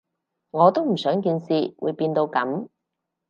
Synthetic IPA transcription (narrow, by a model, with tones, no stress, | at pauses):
ŋɔː˨˧t̪o˥wm̩˨˩sœː˨˥ŋkiː˧nsiː˨˧wṵː˨˧jpiː˧nt̪o˧wkɐ̰˨˥m